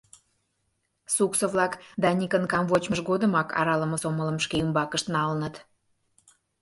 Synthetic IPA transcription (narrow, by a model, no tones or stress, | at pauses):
suksəβlɑkd̪ɑnʲikənkɑmvot͡ɕməʃɣod̪əmɑkʰɑ̰ɾɑləməsomələ̆mʃkeymbɑkəʃt̪nɑlənət̪